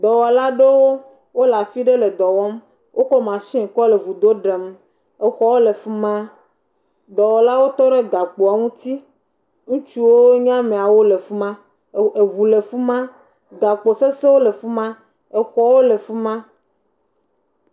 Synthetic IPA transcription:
d̪ɔ˨wɔ˨la˦ɖe˦wo˦ | wo˦la˨fi˦ɖe˦le˨d̪ɔ˨wɔ˦m | wʔo˦kɔ˦mã˨sĩ˦ŋ̩˨kɔ˦le˨vu˨d̪o˦ɖe˨m | e˨xɔ˦wo˦le˨fu˦mã˦ | d̪ɔ˨wɔ˨la˦wo˦t̪ɔ˦ɖe˦ɡa˨k͡po˨a˨ŋũ˦t̪i˦ | ŋũ˦t͡ʃu˦wo˦ɲã˦mẽ˨a˨wo˦le˨fu˦mã˦ | e˨βu˨le˨fu˦mã˦ | ɡa˨k͡po˨se˦se˦wo˦le˨fu˦mã˦ | e˨xɔ˨wo˦le˨fu˦mã˦

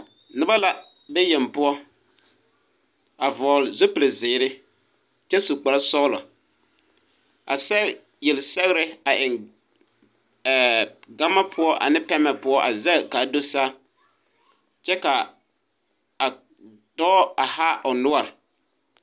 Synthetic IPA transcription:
nɪ˨ba˦la˨ | bɛ˦jɛ˨m˨pʊ˦ɔ˦ | a˨vɔː˨lɪ˨zʊ˦pɪ˨lɪ˨zɪː˨ɾɪ˦ | t͡ʃɛ˦su˨k͡pa˨ɾa˦sɔ˦lɔ˨ | a̰˨sɛ˦ | jɛ˨lsɛ˦ɣɾɪ˦a˨ʔɪ˨n˨ | ɡa˦ma˦pʰʊ˦ɔ˦ʔa̰˨nɪ˦pɛ˦mɛ˨pʊ˦ɔ˦ʔa˨zɛ˦˨ka˨do˦saː˦ | t͡ʃɛ˦ka˨ | a˨ | d̥ɔː˦a˨ha˦ʔʊ˨nʊ˦wa˨ɾɪ˨

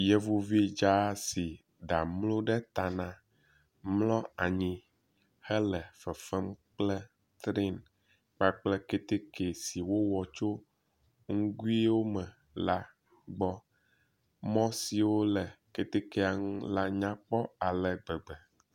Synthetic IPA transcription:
jɛ˦vu˦vi˦d͡ʒa˦si˨ | ɖa˨mlo˦ɖɛ˦t̪a˨nã˦ | mlɔ˦a˨ɲĩ˨ | hɛ˦lɛ˨fɛ˨fɛ˦mk͡plɛ˦ | t̪ɾi˦n | k͡pa˦k͡plɛ˦ke˦t̪e˦ke˨si˨wo˦wɔ˨t͡ʃo˦ | ŋu˦ɡu˦i˦wo˦mɛ̃˨ | la˦ | ɡ͡bɔ˦ | mɔ̃˦si˨wo˦lɛ˨ke˦t̪e˦ke˦a˨ŋũ˦la˦ɲã˦k͡pɔ˦a˨lɛ˨ɡ͡bɛ˨ɡ͡bɛ˨

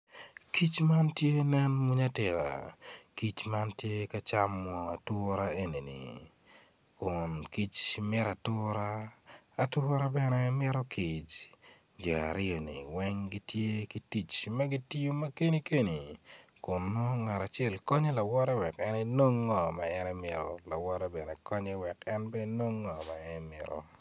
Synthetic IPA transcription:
ki˦t͡ʃma˦ntje˦nɛ˦nmu˦ɲa˦tɪ˨ɾa̰˨ki˦t͡ʃma˦ntje˦ka˦t͡ʃamːɔ˨a˨tʊ˦ɾa˦e˦ni˨nḭ˨ | kʊnki˦t͡ʃmɪ˦ɾa˨tʊ˦ɾaː˦˨ | tʊ˦ɾa˦bɛ˦nɛ˦mɪ˦ɾɔ˦kʰi˨t͡ʃ | d͡ʒɛ˨a̰˨ɾɪ˦o˨nḭ˨wɛ˦ŋɡi˦tje˦ki˦ti˦t͡ʃmɐ˦ɡi˦ti˦jo˦mɐ˦ke˦ni˦ke˦ni˨kʊ˨nmo˦ŋa˨ɾa˨t͡ʃɛ˦˨lkɔ˦ɲe˦la˨wɔ˦ɾɛ˦wɛ˨kɛ˦ne˦no˦ŋːɔ˨ma˨ɛ˦nɛ˦mɪ˨ɾɔ̰˨la˨wɔ˦ɾɛ˦bɛ˨nɛ˨kɔ˦ɲɛ˦wɛ˨kɛ˦nbɛ˦no˦ŋːɔ˨ma˨ɛnmɪ̰˨ɾɔ̰˨

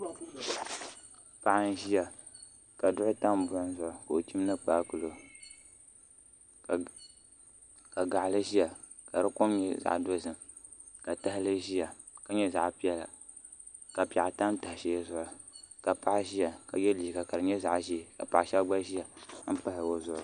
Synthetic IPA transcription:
pa˦ʔa˦n̩˦ʒi˦ja˨ | ka˨dʊ˦ʔʊ˦ta˦m˨bʊ˨ʔʊ˦n˦zʊ˨ʔʊ˨ko˨o˨ti˦mnɨ˦k͡paː˦kʊ˨lo˨ | ka˨ɡa˨ʔlɨ˦ʒi˦ja˨ | ka˨ɾɨ˦kʊ˦mɲɛ˨za̰˨ʔdo˦sɨ˨m | ka˨ta˦hɪ˦lɨ˦ʒi˦ja˨ | ka˨ɲɛ˦za̰˨ʔpi˦ɛ˦la̰˨ | ka˨pi˨a˨ʔa˨ta˦mta˨hɪ˨ʃe˦zʊ˦˨ʔʊ˨ | ka˨pa˦ʔʒi˦ja˨ka˨jɛ˦liː˨ka˨ka˨ɾɨ˨ɲɛ˦za˨ʔʒi˦˨ka̰˨pa˨ʔʃɛ˦ɡ͡ba˦ʒi˦ja˨˦pa˦hɪ˨o˦zʊ˨ʔʊ˨

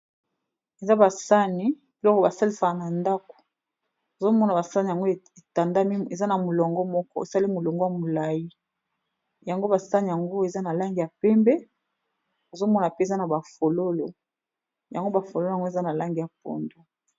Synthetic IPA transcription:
e˨za˦ba˨sa˦ni˦ | be˨lɔ˦kɔ˦ba˨sa˦li˦sa˨ka˨na˨nda˦ko̥˨ | o˨zo˦mɔ˦na˨ba˨sa˦ni˨ja˨ŋɡo˦˨ | e˨ta˨nda˦mi˦˨e˨za˦na˨mu˨lɔ˨ŋɡɔ˦mɔ˦kɔ̰˦ḛ˨sa˦li˦mu˨lɔ˨ŋɡɔ˦a˨mu˨la˨ji˦ | ja˨ŋɡo˦ba˨sa˦ni˨ja˨ŋɡo˦e˨za˦na˨la˦ŋɡi˨ja˨pɛ˦mbɛ˦ | o˨zo˦mɔ˦na˨pe˦˨za˦na˨ba˨fo˨lo˦lo˨ | ja˨ŋɡo˦ba˨fo˨lo˦lo˦˨a˨ŋɡo˦e˨za˦na˨la˦ŋɡi˨ja˨po̰˨ndo˦

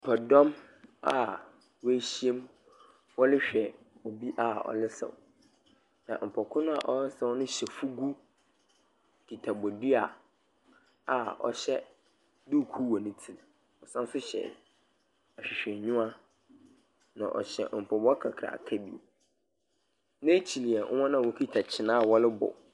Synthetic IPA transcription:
m̩˨pʰɔ˨dɔ̃˦m | a̰˦˨ | we˦ɕi˦e˦m | ɔ˦lɪ˦ɕᶣɛ˨ | o˨bi˦ʔa˨ɔ̰˨lɪ˦sã̰˨ | nã̰˨m̩˨pʰɔ˨kʰʊ̃˦nʊ̃˦a˨ʔɔ˦ɪ˦sã˦wnʊ̃˦ɕɛ˨fu˦ɡu˦ | kʰi˨tʰa˨bɔ˨di˦a˨ | a˨ɔ̰˨ɕɛ˦ | du˦˨kʰu˦wɔ˨nɪ̃˦tʰi˨ | ɔ˨sã˦sʊ˦ɕɛ̰˨ | a˨ɕᶣɪ˨ɕᶣɛ̃˨ɲʊ̃˦a˦ | nã̰˨ʔɔ̰˨ɕɛ̰˨m̩˨pʰɔ˨bkʰa̰˨kʰɾa̰˨kʰa˦bi˦˨ | nã˦t͡ɕʰi˨li˨ɛ˨ʔɔ̰˦wã˦nã˦˨wɔ˨kʰi˦tʰa˨t͡ɕʰɪ˨nã˦˨wɔ˦lɪ˦bɔ̰˨

